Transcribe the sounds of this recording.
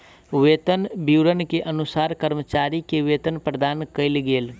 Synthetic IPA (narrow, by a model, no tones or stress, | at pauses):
weːt̪ənbiwɾənkeʔɐnʊsaːɾkəɾmət͡ʃaːɾikeʋeːt̪ənpɾəd̪aːnkəɪlɡeːl